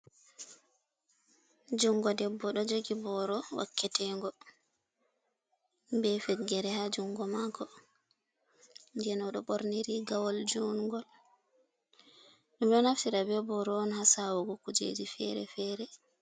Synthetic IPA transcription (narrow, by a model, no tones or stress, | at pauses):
d͡ʒuŋɡɔdɛbːɔɗɔd͡ʒoɡibɔɾɔwʔa̰kːɛtɛŋɡɔ | mbɛfɛɡːɛɾɛhad͡ʒuŋɡɔmakɔ | nd͡ʒɛnɔɗɔɓoɾniɾiɡawɔld͡ʒuŋɡɔl | ɗɛmɗɔnaftiɾabɛbɔɾɔɔnhasawɔɡɔkud͡ʒḛd͡ʒifɛ̰ɾɛ̰fɛːɾɛ